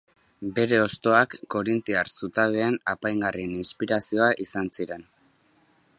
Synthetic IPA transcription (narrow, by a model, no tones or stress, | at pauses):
be̞ɾe̞o̞st̪o̞akːo̞ɾint̪iarsut̪aβeenapajŋɡarieninspiɾasio̞aʔisansiɾe̞n